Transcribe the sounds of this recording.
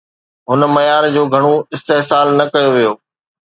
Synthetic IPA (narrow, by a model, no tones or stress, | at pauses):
ɦʊn̆mɐjaːɾd͡ʑoːɡʱɐɽ̃oɪst̪eɦsaːlnɐkɐjoʋijoː